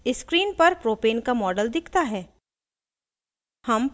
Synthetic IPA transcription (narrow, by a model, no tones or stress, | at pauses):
ɪskɾiːnpɐɾpɾoːpeːnkamɔːɖəld̪ɪkʰt̪aɦɛː | hɐm